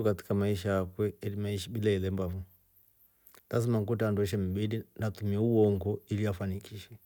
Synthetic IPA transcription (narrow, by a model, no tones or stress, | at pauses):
ukati̥kamaiʃajakwɛɛlimaiʃiɓilaɛlɛmbavu | lazimaŋkutanduɛʃ̬ɛm̩bilinatumiɛuwɔŋɡɔiliafanikʰiʃɛ